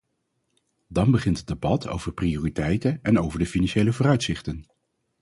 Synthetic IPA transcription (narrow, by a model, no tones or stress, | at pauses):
dɑnbəχɪntəd̚debɑtʰo̰wvəɹprioːritɛjtənɛnowvəɹdəfinɑnʃejləvoːrœɥtsɪχtən